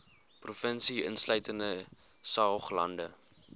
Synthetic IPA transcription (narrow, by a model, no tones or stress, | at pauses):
prufənsiə̰nsləɥtəndə | sɑːχlɐ̰ndə